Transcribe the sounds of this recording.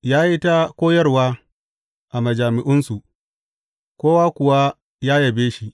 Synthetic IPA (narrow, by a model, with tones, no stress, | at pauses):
jaː˦ji˦ta˦kʷoː˦jɐ˦rwaː˦ | ʔa˨mɐ˨d͡ʒaː˨mɪ˨ʔʊ˦nsu˨ | kʷoː˦waː˦kʷʊ˨wa˦ | jaː˦jɐ˨beː˦ʃi˦